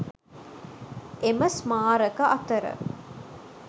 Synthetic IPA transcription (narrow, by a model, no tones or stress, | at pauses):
eməsmaːɾəkəʔɐt̪əɾə̰